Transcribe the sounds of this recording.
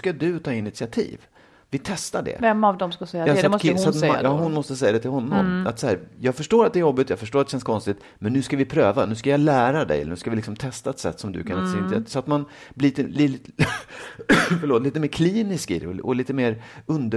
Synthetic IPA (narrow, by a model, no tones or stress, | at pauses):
kad̪ɵt̪ʰɑːɪnɪt̪sɪat̪ʰḭːv | vɪt̪ʰɛst̪aɖɛ̰vɛmːavd̪ɔmskasɛjːaaksɔat̪jɑːɦʊnmɔst̪əsɛjːad̪ɛt̪ʰɪlɦɔnːɔ̰mat̪sahæːɾjɑːɡfœʂʈoːɾat̪̚ɛɾjɔbːɪt̪jɑːɡfœʂʈoːɾt̪ɛɕɛnskʰɔnst̪ɪt̪ | mɛnːʉ̟ːskavɪpʰɾøːvanʉ̟ːskajɑlæːɾad̪ɛ̰jɛ̰l̰ːɳʉ̟ːskavɪlɪksɔmt̪ʰɛst̪aɛt̪sɛ̰t̪ːsɔmd̪ɵ̰kʰansɪnasɔat̪man | bliːt̪əli | fəɭoːt̪liːt̪əmeːɾkʰliːnɪskḭɔ̰liːt̪əmeːɾɵnd̪ə